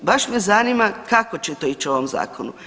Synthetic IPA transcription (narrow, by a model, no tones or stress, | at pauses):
baʃmezaːnimakakot͡ɕet̪o̞it͡ʃio̞ʋomza̰ːkʰonu